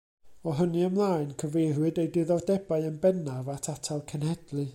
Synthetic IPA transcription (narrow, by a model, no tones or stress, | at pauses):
ɔɦənɨəmlˠaːɨnkʰəvejrwɨdejdɪðɔrdɛbaɨənbɛnavatʰatʰalˠkʰənhɛdlˠɨ